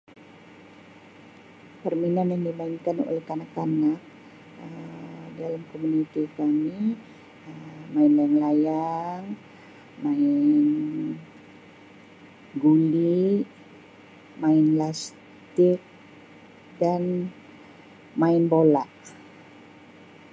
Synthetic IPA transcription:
pərminanjaŋdimaɪŋkano̰lɛhkanakanak̚ | ədalamkomunit̪ikami | əmaɪnlajaŋlajaŋ | maɪn | ɡuli | maɪnlas | tt̪ɪk̚ | dan | maɪnbolaʔ

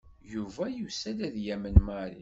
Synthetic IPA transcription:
juvæjəsælæðjæmənmaɾḭ

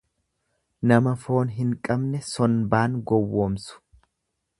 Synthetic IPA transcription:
nɐmɐfo̞ːnɦɪŋkʼɐbnɛsɔnbaːŋɡɔwːoːmsʊ̥

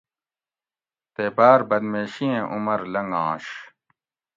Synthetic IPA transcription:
t̪eːbaːɾbɐd̪meːɕiẽːʔumɐɾlɐŋɡãːɕ

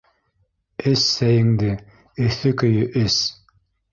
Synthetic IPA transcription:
ɘsːæjɘ̆ŋd̪ɘ | ɵ̆θɵkɵ̆jɵʔɘs

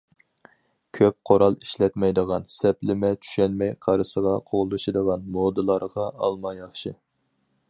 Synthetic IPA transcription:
kʲʰøp̚qʰoɾɑlˠi̥ʃlɛt̪mɛjd̪əʁɑnsɛplɪmɛt͡ʃʰy̥ʃɛnmɛjqʰɑɾɨsəʁɑqʰoʁlˠuʃɨd̪əʁɑnmod̪ɨlˠɑɾʁɑɑ̰lˠmɑjɑχʃɨ

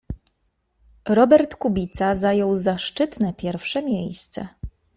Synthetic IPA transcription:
ɾɔbɛɾt̪kubʲit̪sazajɔwzaʂt͡ʂɘt̪nɛpʲjɛɾfʂɛmʲjejst̪sɛ̰

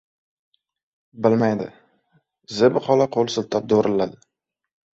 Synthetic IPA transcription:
bɪlmajd̪ɪ̰ | zɪbχɒlaqʰolˠsɪlt̪ʰɒp̚d̪oɾʔɪlad̪ɪ

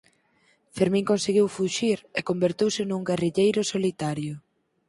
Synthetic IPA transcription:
feɾmĩŋkonseɣiwfuʃiɾekombeɾt̪ewsɪnuŋɡeriʎejɾʊsolit̪aɾjʊ

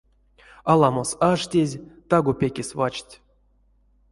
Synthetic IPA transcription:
alˠamosaʂtʲezʲt̪aɡopʲekʲesʲvat͡ʃtʲ

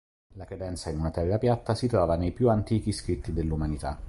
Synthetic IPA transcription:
lakɾed̪ɛnt̪sainunat̪ɛrːapjat̪ːasit̪ɾɔːvanejpjuant̪iːk̟iskɾit̪ːid̪elːumanit̪a

